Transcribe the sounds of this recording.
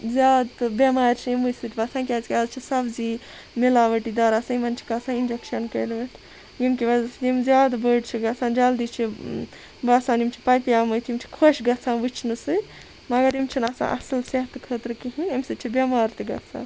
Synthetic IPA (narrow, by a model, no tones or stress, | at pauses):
zʲjaːd̪t̪ɨbʲɐmaːɾʲt͡ʃʰijimɨsɨt̪ʰibɐsãːnk̬ʲazkʲazt͡ʃʰisɐbzi | milaːʋɐʈid̪ɐɾaːsɐimɐnt͡ʃʰi̥kɐsãːind͡ʒekʃɐnkɐjlʋɐt̪ʰ | jimkibɐzimzjaːd̪bəɖt͡ʃʰiɡɐsãːnd͡ʒald̪it͡ʃʰi | bɐsaːnimt͡ʃʰi̥pɐjpijaːmɐt̪ʰjimt͡ʃʰi̥kʰoʃɡɐt͡sʰãːnʋɨt͡ʃʰnɨsɨ | mɐɡɐɾimt͡ʃʰinasã̰ʔɐ̰sɐlseɦt̪ɨkʰəːt̪ɾkiɦinimsɨt͡ʃʰibʲɐmaːɾt̪ɨɡɐ̰sʰa̰ːn